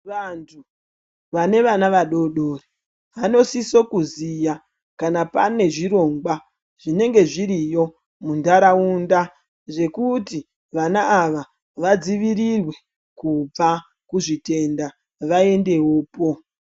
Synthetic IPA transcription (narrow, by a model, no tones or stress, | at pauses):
ʋantʰu | ʋane̞ʋanaʋaɗo̞ɗo̞re | ʋano̞siso̞kuzija | kanapane̞ʐiɾo̞ŋɡwa | ʐ̥ine̞ŋɡe̞ʐiɾijo̞ | mundaɾaunda | ʐe̞kuti | ʋanaːʋa | ʋad͡ziʋiɾirwe̞ | kub͡va | kuʐite̞nda | ʋae̞nde̞wo̞ːpo̞